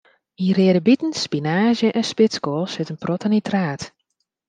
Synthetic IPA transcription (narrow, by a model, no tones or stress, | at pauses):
irɪəɾəbitn̩spinaːʒjəʔɛnspɪt͡skoːsɛtənprɔtanitʰraːt